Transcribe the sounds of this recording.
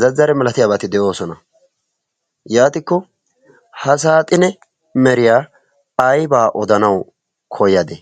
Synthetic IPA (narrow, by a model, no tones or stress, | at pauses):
zɐzːɐɾɛmɛlɐt̪ɪjaːbɐt̪ɪd̪ɛʔo̞ːsɔnɐ | jaːt̪ɪkːɔ | hɐs̬aːt̪ʼɪnɛ | mɛɾɪjaː | jbaːʔɔd̪ɐnɐw | kʰɔjɐd̪ɛ